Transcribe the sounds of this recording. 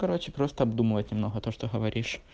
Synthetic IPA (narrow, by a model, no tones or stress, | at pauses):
kɐɾot͡ɕɪpɾo̞st̪əɐbd̪umɨvət̪ʲnʲɪmno̞ɦəɐt̪oʂt̪oɣəvɐɾʲʔiʂ